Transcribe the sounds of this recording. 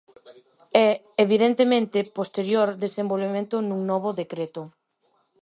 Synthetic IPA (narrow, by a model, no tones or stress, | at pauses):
ɛ | eβiðent̪emẽnt̪ɪpost̪eɾjoɾd̪esembolβemẽnt̪ʊnuŋnɔβʊðekɾet̪ʊ